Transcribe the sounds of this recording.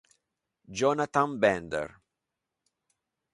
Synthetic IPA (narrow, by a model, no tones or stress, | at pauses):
d͡ʒɔnat̪ãmbɛ̃nd̪ɛ̰ɾ